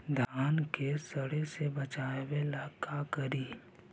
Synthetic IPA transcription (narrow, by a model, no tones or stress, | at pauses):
d̪ʱaːnkesɐɽesebət͡ʃaːwelaːkʰakɐɾiː